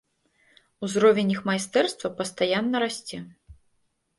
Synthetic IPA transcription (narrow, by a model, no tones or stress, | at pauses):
uzɾɔvʲenʲixmajst̪ɛrst̪vɐpɐst̪ajanːɐɾasʲt͡sʲɛ